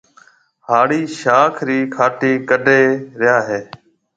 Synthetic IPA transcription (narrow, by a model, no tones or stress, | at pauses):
haːɽiːʃaːkʰɾiːkʰaːʈiːkəɖʱeːɾɪjaːɦeː